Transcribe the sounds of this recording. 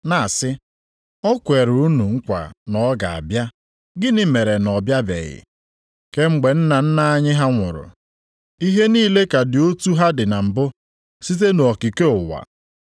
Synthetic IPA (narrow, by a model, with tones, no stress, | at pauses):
na˨a˨sɪ˦ | ɔ˦kʷe˨ɾu˨˦nu˨ŋ̩˦kʷa̰˨nɔ˨˦ɡa˨a̰˨bja˦ | ɡɪ˦nɪ˦me˨ɾe˨nɔ˨bja˦bḛ˨ɣɪ̰˨ | ke˦ŋ͡m̩˦ɡ͡be˨n̩˦na˨n̩˦na˦a˦ɲɪ˦ɦa˦ŋʷʊ̰˨ɾʊ̰˨ | i˦ɦe˦niː˦le˦ka˨dɪ˨o˦tu˦ɦa˦dɪ˨na˨m̩˨bʊ˦ | si˦t̬e˦no˨ɔ˨ki˨ke˦ʊ˨wa̰˨